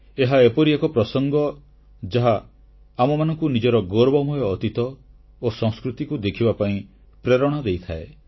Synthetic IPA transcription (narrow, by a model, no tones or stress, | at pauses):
eɦaepɔɾiekɔpɾɔsɔŋɡɔ | d͡ʒaɦaː | mɔmanɔ̃ŋkunid͡ʒɔɾɔɡɔɾbɔmɔjɔːt̪it̪ɔ | osɔ̃ŋskɾut̪ikud̪ekʰibapaĩ | pɾeɾɔɽ̃ɔd̪ejt̪ʰa̰e